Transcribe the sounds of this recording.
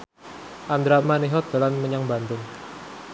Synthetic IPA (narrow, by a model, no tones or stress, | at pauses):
ʔand̪ɾamaniɦɔt̪̚d̪̥a̤lanməɲaŋbant̪ʊŋ